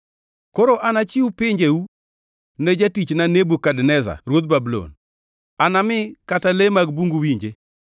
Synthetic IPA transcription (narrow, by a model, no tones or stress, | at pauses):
koɾoʔanat͡ʃɪupɪɲd͡ʒeu | ned͡ʒatit͡ʃnanebukadnɛza̰ɾwot̪̚babulo̰n | anamɪkatalemaɡbuŋɡuwiɲd͡ʒe